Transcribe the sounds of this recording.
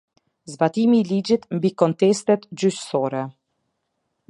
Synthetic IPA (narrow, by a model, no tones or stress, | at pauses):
zbat̪imiːlid͡ʑit̪mbikɔnt̪ɛst̪ɛt̪d͡ʑyʃsɔɾɛ